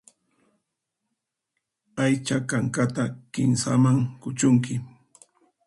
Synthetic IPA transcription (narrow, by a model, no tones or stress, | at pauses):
ajt͡ʃakaŋkat̪akɪnsa̰maŋkʊt͡ʃʊŋkɪ